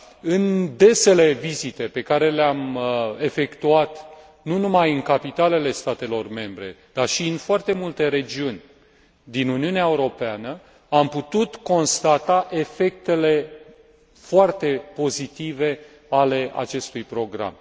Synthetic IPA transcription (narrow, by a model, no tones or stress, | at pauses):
ɨnd̪e̞se̞le̞vizit̪e̞pe̞kaɾe̞leame̞fe̞kt̪uat̪ | nunumajɨŋkapit̪ale̞le̞st̪at̪e̞lo̞rme̞mbɾe̞̰d̪̥arʃiɨnfoart̪e̞mult̪e̞ɾe̞d͡ʒiunʲ | d̪inuniuneaeuɾo̞peanə | amput̪ut̪ko̞nst̪at̪aʔe̞fe̞k̚t̪e̞le̞ | foart̪e̞po̞zit̪ive̞ | ale̞ʔa̰t͡ʃe̞st̪ujpɾo̞ɡɾa̰m